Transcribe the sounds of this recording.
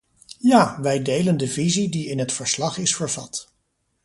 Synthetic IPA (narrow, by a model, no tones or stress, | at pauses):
jaːʋɛjdejləndəvizidiɪnɦətfəɹslɑχɪsfəɹv̥ɑt